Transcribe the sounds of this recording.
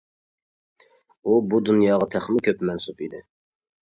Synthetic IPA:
ubud̪unjɑːʁɑt̪ʰæχmɪkʲʰøpmɛnsupid̪ɪ

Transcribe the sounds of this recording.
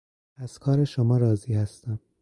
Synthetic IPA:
æz̥kʰɒːɾeʃomɒːɾɒːziːhæst̪æm

